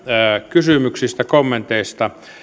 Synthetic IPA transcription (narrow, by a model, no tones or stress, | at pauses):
kysymyksist̪ækomːent̪eist̪ɑ